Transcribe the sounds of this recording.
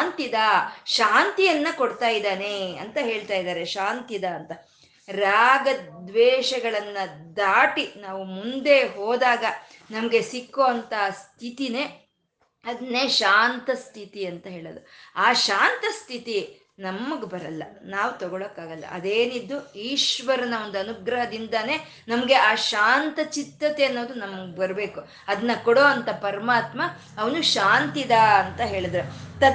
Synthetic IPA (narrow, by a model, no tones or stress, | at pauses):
nt̪id̪ɐʃaːnt̪ijɐnːɐkoɽt̪aːjid̪aːneɐnt̪ɐɦe̞ːɭt̪aːjid̪aːɾe̞ʃaːnt̪id̪ɐːnt̪ɐ | ɾaːɡɐd̪ʋɛːʃɐɡɐɭɐnːɐd̪aːʈinaːʋumund̪e̞ɦoːd̪aːɡɐ | nɐmɐɡe̞sikːoːɐnt̪ɐst̪ʰit̪ineː | ɐd̪ɐneːʃaːnt̪ɐst̪ʰit̪iɐnt̪ɐɦeːɭod̪uaːʃaːnt̪ɐst̪ʰit̪i | nɐmːɐɡbɐɾɐlːɐnaːʋut̪ɔɡɐɭokːaːɡɐlːɐ̰ʔɐd̪eːnid̪ːuiːʃʋɐɾɐnɐond̪uɐnuɡɾɐɦɐd̪ind̪ɐne̞ː | nɐmɐɡe̞ʔaːʃaːnt̪ɐt͡ʃit̪ːɐt̪eɐnːo̞ːd̪unɐmːɐɡebɐɾbe̞ːku | ɐd̪ɐnːɐkɔɽoːɐnt̪ɐpɐɾɐmaːt̪mɐː | ʋɐnuʃaːnt̪id̪ɐɐnt̪ɐɦe̞ːɭid̪ɐɾut̪ɐ